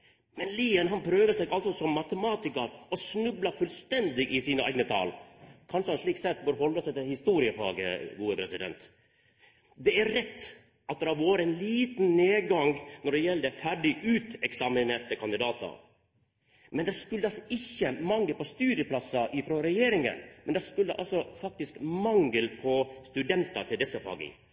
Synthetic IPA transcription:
mɛnliːənɦɑnpʰɾøːʋəsɛɡɑlsɔsɔmːɑt̪əmɑːt̪ɪkəɾɔsnʉblɑfʉlst̪ɛnd̪ɪʔɪsiːnəʔæ̰ɪɡnət̪ʰɑ̰ːlkʰɑnʂəhɑnʂɭiːksɛt̪ːbøːɾhɔld̪ɑsɛɪt̪ɛhɪst̪uːɾɪəfɑ̰ːɡə̰ɡuːəpʰɾɛsɪd̪ɛ̰nt̪ | d̪ɛæɾɾɛt̪ː | ʔɑt̪̚d̪ɛɾhɑʋoːɾəɛnliːt̪n̩nːeːɡɑŋnɔɖɛjɛləd̪ɛfæɖɪʔʉːt̪ɛksɑmɪneːɾt̪əkʰɑnd̪ɪd̪ɑːt̪ɑ̰ | mɛnd̪ɛskʉlːəɑsɪçːəmɑŋːəlpɔst̪ʉːd̪ɪəpʰlɑsɑʔɪfɾɔɾɛjeːɾɪŋə̰nmɛnd̪ɛskʉlːəʔɑ̰lsɔfɑk̚t̪ɪskmɑŋːəlpʰɔst̪ʉd̪ɛnt̪ɑʈ̪ʰɪld̪ɛsːəfɑ̰ːɡə̰

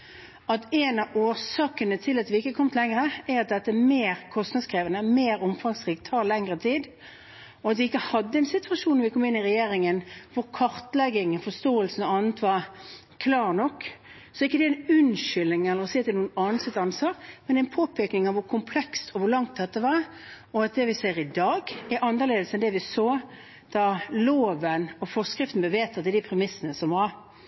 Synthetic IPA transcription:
ɑt̪ɛɪnɑʔoːsɑːkənət̪ʰɪlɑt̪ʋɪɪkːəəkʰɔmt̪lɛŋɾəɛɾɑt̪̚d̪ɛt̪ːəmeːɾkʰɔst̪nɑd̪skʰɾeːʋənəmeːɾɔmfɑŋsɾiːkt̪ʰːɑːɾlɛŋɾət̪ʰiːd̪ | ɔɑt̪ʋɪɪkːəhɑd̪ːəɛnsɪt̪ʰʋɑʃuːnɔʋɪkʰɔmːɪnːɪɾɛjeːɾɪŋənʋʊɾkʰɑɾt̪lɛɡɪŋəfɔst̪oːəlsnɑːnət̪ʰʋɑɾ | kʰlɑːɾnɔkː | sɔɪkːəd̪ɛɛnʉnʃʏlɪŋɛlːəɾɔsiːɑt̪d̪ɛnuːənɑːnsɛt̪ːɑnsɑːɾmɛnɛnpʰoːpʰɛknɪŋɑʋʊɾkʰʊmpʰlɛkst̪ʰɔʋʊɾlɑŋt̪̚d̪ɛt̪ːəʋɑɾ | ɔɑt̪̚d̪ɛʋɪsɛɪəɾɪd̪ɑːɡɛɾʔɑnd̪əʁleːd̪əsəɛnd̪ɛʋɪsoː | d̪̥ɑloːʋənɔfɔskɾɪft̪n̩bəʋeːt̪ʰɑt̪̚d̪ɛd̪ipʰɾɛmɪsːənəsɔmʋɑɾ

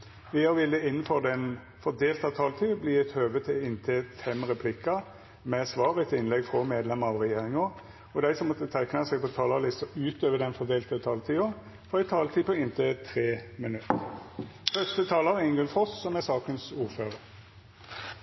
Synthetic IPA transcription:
ʋɪɑɾʋɪlːəɪnːənfɔd̪ɛn | fɔd̪eːlt̪ɑt̪ʰɑːlt̪ʰiːbliːɛt̪høːʋət̪ʰɪɪnt̪ʰeːfɛmʁɛpʰlɪkɑ | mɛsʋɑːʁət̪ʰɪnlɛɡfʁɔmeːd̪lɛməʁɑʋʁɛjeːʁɪŋɑ | ɔd̪æɪsɔmːɔt̪ːət̪ʰæɪknəsɛːɡ̚pʰɔt̪ʰɑːlɑlɪst̪əʉːt̪øːʋəd̪ɛnfɔd̪eːlt̪ət̪ʰɑːlt̪ʰiːʊ | fɔʁæɪt̪ʰɑːlt̪ʰiːpɔɪnt̪ʰet̪ʰɾeːmənʉt̪ːəfœst̪ət̪ʰɑːlɑʁɪŋɡʉnfɔssɔmɛsɑːkənsuːʁføːʁəɾ

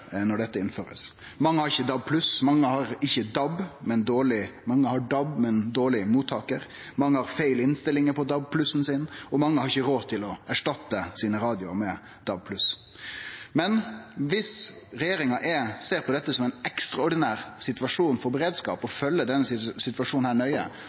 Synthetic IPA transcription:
nɔɖɛt̪ːəɪnføːɾə̰s | mɑŋːəhɑɾɪçːəd̪ɑb̚pʰlʉsmɑŋːəhɑɾɪçːəd̪ɑbmɛnd̪oːɭɪmɑŋːəhɑɖɑbmɛnd̪oːɭɪmuːt̪ʰːɑːkəɾ | mɑŋːəhɑɾfæɪlɪnst̪ɪlːɪŋəpʰɔd̪ɑb̚pʰlʉsn̩sɪnɔmɑŋːəhɑɾɪçːəɾoːt̪ʰɪlɔæʂʈɑt̪ːəsiːnəɾɑːd̪ɪʊɑ̰mɛ | d̪̥ɑb̚pʰlʉs | mɛnʋɪsɾɛjeːɾɪŋɑʔɛseːɾpʰɔd̪ɛt̪ːəsɔmɛɪnɛkst̪ɾɑɔɖɪnæːɾsɪt̪ʋɑʂuːnfɔɾbəɾeːd̪skɑ̰ːpɔfœlːəd̪ɛnːəsɪt̪ʋɑʂuːnnhæːɳœʏə̰

